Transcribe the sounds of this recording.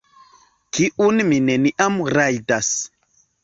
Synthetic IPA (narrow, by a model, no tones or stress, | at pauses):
kiʔunmineniʔamɾajdas